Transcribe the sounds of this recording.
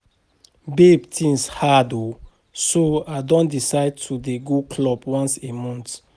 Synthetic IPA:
bebtʰĩŋshado | soadɔ̃ndisaɪd̚tʰudeɡukʰlɔbwãnsemɔ̃nt

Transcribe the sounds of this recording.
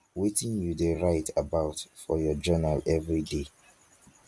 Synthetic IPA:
wetĩnjudeɹaɪtʰabaʊtfɔjɔd͡ʒɜnalɛvɹide

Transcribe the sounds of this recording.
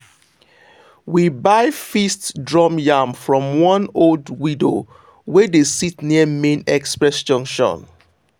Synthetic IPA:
wibaɪfistdɹɔmjamfɹɔ̃mwɔ̃noldwido̰ | wedesitniəmẽnɛkspɹɛsd͡ʒʌ̃ŋkʃɔ̰̃n

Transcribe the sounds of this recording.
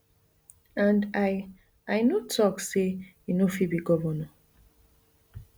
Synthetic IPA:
ãnda | ajnotʰɔkse | inofibiɡɔvɔnã

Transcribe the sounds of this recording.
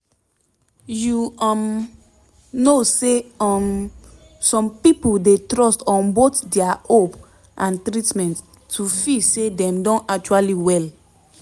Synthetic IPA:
juɔ̃m | noseɔm | sɔ̃mpipoldetɹɔstɔ̃nbotdɛahop | ʔãntɹitmɛ̃ntːʰ | ufisedɛ̃mdɔ̃nak̚t͡ʃualiwɛl

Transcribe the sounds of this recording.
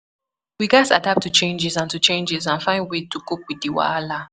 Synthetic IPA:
wiɡasa̰dap̚tʰut͡ʃẽnd͡ʒɪzãntut͡ʃẽnd͡ʒɪzãnfãɪ̃nwetukop̚widiwa̰ala

